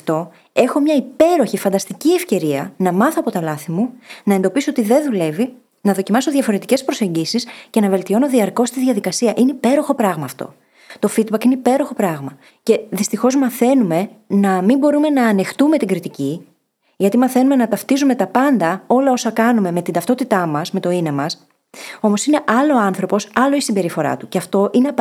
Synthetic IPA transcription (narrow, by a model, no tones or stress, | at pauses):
t̪o̞ | e̞xo̞mɲɐipe̞ɾo̞çifɐnd̪ɐst̪iciefce̞ɾiɐnɐmɐθoɐpo̞t̪ɐlɐθimunɐend̪o̞pisoot̪iðe̞nðule̞vi | nɐðo̞cimɐso̞ðʝɐfo̞ɾe̞t̪i̥ce̞spɾo̞se̞ɲɟisisce̞nɐve̞lt̪io̞no̞ðiɐɾko̞st̪iðʝɐðikɐsiɐʔineipe̞ɾo̞xo̞pɾɐɣmɐːft̪o̞̰ | t̪o̞fid̪̚bɐkine̞ipe̞ɾo̞xo̞pɾɐɣmɐ | ce̞ðist̪ixo̞zmɐθe̞nume̞nɐmimbo̞ɾume̞nɐːnext̪ume̞t̪iŋɡɾit̪ici | ʝɐt̪imɐθe̞nume̞nɐt̪ɐft̪izume̞t̪ɐpɐnd̪ɐo̞lɐo̞sɐkɐnume̞me̞t̪ind̪ɐft̪o̞t̪it̪ɐmɐsme̞t̪o̞inɐmɐs | o̞mo̞sine̞ʔɐlo̞ːɐnθɾo̞po̞sɐlo̞isimbe̞ɾifo̞ɾɐ̰t̪uceɐft̪o̞ʔine